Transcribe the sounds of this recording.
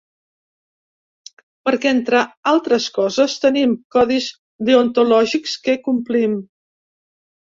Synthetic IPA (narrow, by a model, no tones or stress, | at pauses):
pəɾkɛent̪ɾəalˠt̪ɾəskɔzəst̪ənimkɔðiz | ðiont̪ulɔʒikskəkumplim